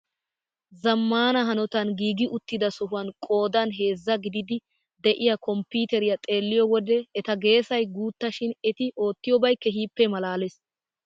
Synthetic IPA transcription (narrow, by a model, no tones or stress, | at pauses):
zɐmːaːnɐɦɐnɔt̪ɐnɡiːɡɪʔʊt̪ːɪd̪ɐsɔɦʊwɐnkʼo̞ːd̪ɐnɦe̞ːzːɐɡɪd̪ɪd̪ɪ | d̪ɛʔɪjɐkɔmpiːt̪ɛɾɪjɐt̪ʼe̞ːlːɪjɔwɔd̪ɛːt̪ɐɡe̞ːsɐjɡuːt̪ːɐʃɪnɛt̪ɪʔo̞ːt̪ːɪjɔbɐjkːɛɦiːpːɛmɐlaːles